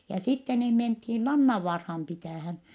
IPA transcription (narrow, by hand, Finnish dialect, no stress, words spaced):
jɑ sitːe niː menthin lɑnːɑʋːɑːrhɑm pitæˑhæn